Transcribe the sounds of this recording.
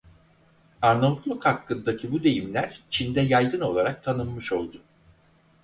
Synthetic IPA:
aɾnabut̪lˠukhakːɯnd̪acʰibud̪e̞jimlʲæɾ̥t͡ʃʰind̪ɛjajd̪ɯno̞lˠaɾak̚t̪ʰanɯmːɯʃo̞lˠd̪ʊ

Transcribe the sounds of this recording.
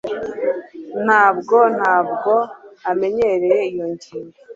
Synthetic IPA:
n̥haːbɡo̞n̥haːbɡo̞ame̞ɲe̞ɾe̞je̞ijo̞ɲɟino

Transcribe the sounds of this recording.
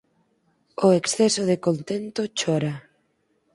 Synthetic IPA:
oeksθesoðekont̪ent̪ot͡ʃɔɾa

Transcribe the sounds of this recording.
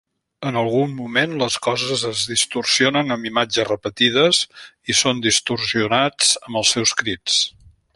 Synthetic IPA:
ənəlˠɣumːumenləskɔzəzəzðist̪ursionənəmbimad͡ʒəzrəpət̪ið̞əzisond̪ist̪ursiunad͡zəmbəlˠsɛwskɾit͡s

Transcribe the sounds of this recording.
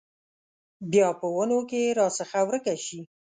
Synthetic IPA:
bjɑpəwənokeɾɑsəxawɾəkaʃi

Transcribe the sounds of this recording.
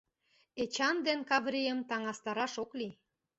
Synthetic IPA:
et͡ɕɑnd̪enkɑvɾijəmt̪ɑŋɑst̪ɑɾɑʃokli

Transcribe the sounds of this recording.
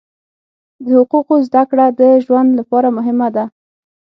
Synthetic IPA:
d̪əhʊquqozd̪akɽad̪əʒwand̪lapɑɾamʊɦɪmad̪a

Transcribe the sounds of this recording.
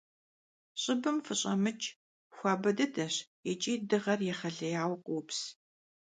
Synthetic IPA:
ɕʼɪbɨmfɨɕʼɐ̰mɨt͡ʃʼ | xʷɑːbɐdɐdʰɐɕjɛt͡ʃʼiːdɨʁɐrjɛχɐɮɐjaːwqʷʊps

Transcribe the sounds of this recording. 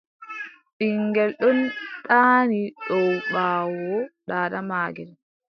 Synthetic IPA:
ɗiŋɡɛlɗɔntaːniɗɔwɓaːwɔɗaːɗamaːɡɛl

